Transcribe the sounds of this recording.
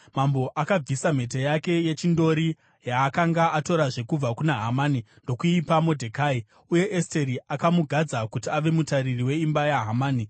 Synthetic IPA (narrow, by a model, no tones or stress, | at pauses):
mambo̞ʔakab͡visam̤e̞t̬ejake̞je̞t͡ʃindo̞ɾi | jaːkaŋɡaʔato̞ɾaʐe̞kub͡vakunaɦamaːnindo̞kuipamodʱekaːi | uje̞ʔeste̞ɾiʔakamuɡʱad͡zakutiaʋe̞mutaririwe̞imbajaɦamaːni